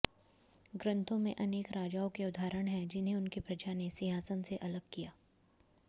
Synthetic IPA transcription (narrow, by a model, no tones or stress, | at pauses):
ɡɾɐ̃nt̪ʰõmẽʔɐneːkɾaːd͡ʒaːokeʊd̪ʱaːɾəɽ̃ɦɛ̃d͡ʒɪnɦẽʊnkipɾɐd͡ʒaːnesɪɦaːsənseʔɐləɡ̚kijaː